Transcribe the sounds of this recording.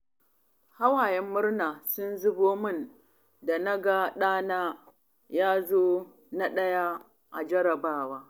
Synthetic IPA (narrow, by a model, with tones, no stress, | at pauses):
ha˦waː˨jɛ˦mːʊ˦rnaː˨sʊ˦nzʊ˦boː˦mʊ˦˨n | da˨na˦ɡa˦ɗaː˦naː˦ | jaː˦zoː˦ | na˦ɗɐ˦ja˦ | ʔa̰˨d͡ʒɐ˦ɾɐ˨baː˦waː˦